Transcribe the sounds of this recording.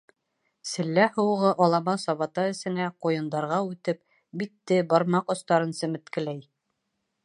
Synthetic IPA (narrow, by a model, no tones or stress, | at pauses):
sɘ̆lːæhŏwʁɤʔɑlˠɑmɑsɑβɑt̪ɑɘ̆sɘ̆næqujɤ̆nd̪ɑɾʁɑʉt̪ɘp̚ | bit̪ːɘbɑɾmɑqŏst̪ɑɾɤnsɵ̆mɘ̆t̪kɘ̆læj